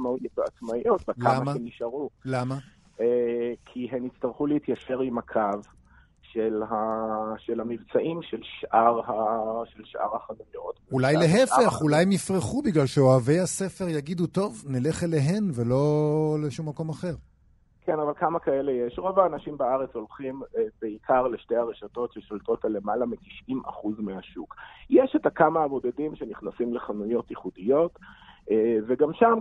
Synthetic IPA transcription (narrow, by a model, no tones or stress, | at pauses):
maujtbeat͡smaijot̪vaklamaemiʃaʁulama | ekʰiɦemit͡st̪aʁχuleit̪jaʃe̞ʁimakʰav | ʃelaʃelamivt͡saʔimʃelʃʔaʁhaʃelʃʔa̰ʁhaχanujot̪ulajleɦefeχulajemnifʁeχubiɡlalʃeoave̞jhase̞fe̞ʁjaɡid̪uto̞vnile̞χeleɦe̞nvelo̞leʃumːako̞maχe̞ʁ | kʰenavalkamakaelejeʃʁo̞vaːnaʃimbaaʁet͡so̞lχimbeikʰaʁleʃteaʁeʃato̞tʃeʃolto̞talemalamiti̥ʃimʔa̰χuzmeaʃukjɛʃetakamaːbo̞d̪edimʃeniχnasimleχanujo̞tiχudijo̞teveɡamʃam